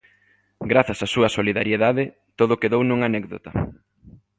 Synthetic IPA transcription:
ɡɾaθɐsasuɐsoliðaɾjeðaðɪ | t̪oð̞ʊkeðownũŋanɛkðo̰t̪ɐ

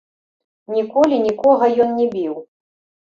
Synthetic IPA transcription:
nʲikɔlʲinʲikɔɣɐjɔnnʲɛbʲiw

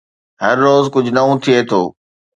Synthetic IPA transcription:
ɦɐɾːoːzkʊd͡ʑʱʊnɐʋũt̪ʰiet̪ʰoː

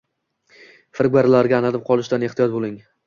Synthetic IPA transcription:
fɪɾɡaɾɪlaɾɡʲaːnad̪ɪp̚qʰɒlˠɪʃd̪ane̞ht̪ijɒt̪̚bolˠɪŋ

